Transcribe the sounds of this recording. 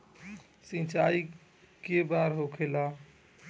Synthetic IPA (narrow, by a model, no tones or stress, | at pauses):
sĩt͡ʃai | kebaɾɦokʰela